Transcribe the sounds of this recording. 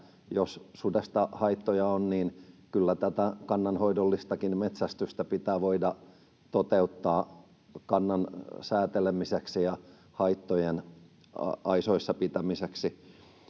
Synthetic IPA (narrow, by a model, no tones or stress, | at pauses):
jossudest̪ɑhɑit̪ːojɑonniːnkylːæt̪æt̪ækɑnːɑnhoidolːist̪ɑkinmet̪sæst̪yst̪æpit̪æːʋoidɑ | t̪ot̪eut̪ːɑː | kɑnːɑnsæːt̪elemiseksijɑ | hɑit̪ːojen | ɑ̰ɑisoisːɑpit̪æmiseksi